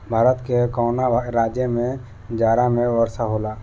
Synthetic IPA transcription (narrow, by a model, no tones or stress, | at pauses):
bʱaːɾət̪kekɔːnaɾaːd͡ʒjəmẽ | d͡ʒaːɾamẽʋəɾsaɦoːla